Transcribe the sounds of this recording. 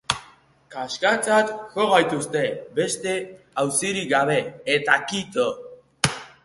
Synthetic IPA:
kaskat͡sat̪ʝoɣajt̪ust̪e̞be̞st̪e̞ | awsiɾiɡaβe̞ːt̪akit̪o

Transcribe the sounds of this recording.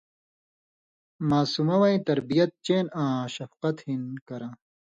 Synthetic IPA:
maːsumɐwɐĩt̪ɐɾbijɐt̪̚t͡ɕeːnãːɕɐfqɐt̪hinkɐɾãː

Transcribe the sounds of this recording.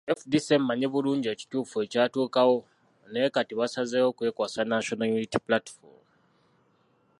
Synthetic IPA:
efdise̞mbaɲeβuluːɲɟieci̥tuːfue̞caːtuːkawo̞ | ne̞ːkatiβasazewokuwe̞kwaːsanaʃonajunitiplatfo̰ɾm

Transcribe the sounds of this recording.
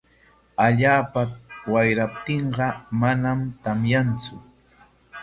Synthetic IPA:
aʎaːpawajɾap̚t̪ɪɴɢɑmanamt̪amjant͡sʊ

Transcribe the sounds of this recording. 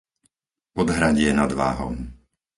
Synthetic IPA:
ɔd̪ɦɾaɟɪɛnad̪ʋa̰ːɦɔ̰m

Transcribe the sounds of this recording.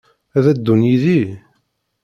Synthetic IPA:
æðæd̪ːunjiði

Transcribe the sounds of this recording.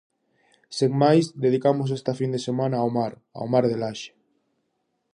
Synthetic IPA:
seŋmajsd̪eð̞ikamos̬est̪afind̪esemãnaːwmaɾ | a̰wmaɾðelaʃe̥

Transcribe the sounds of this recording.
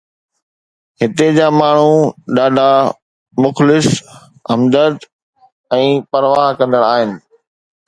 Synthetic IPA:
ɦɪt̪ed͡ʑaːmaːɳ̤uɗaːɖʱa | mʊxlɪs | ɦɐmd̪ət̪ | ɛ̃ːpɐɾʋaːɦkɐ̃nd̪əɽaːɦɪnɪ̆

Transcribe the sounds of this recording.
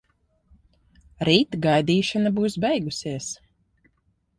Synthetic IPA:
ɾiːt̪ɡajd̪iːʃanabuːsbɛjɡusiɛəs

